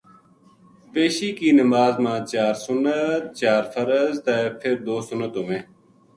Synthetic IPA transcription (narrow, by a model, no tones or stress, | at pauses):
peːʃiːkiːnəmaːzmãːt͡ʃaːɾsʊnət̪t͡ʃaːɾfəɾəzt̪ɛːpʰɪɾd̪oːsʊnət̪õːmẽː